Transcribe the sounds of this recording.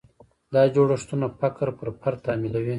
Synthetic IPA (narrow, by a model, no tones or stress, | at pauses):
d̪ɑːd͡ʒoɽaʂt̪unafakɾpəɾpʰaɾt̪amilawi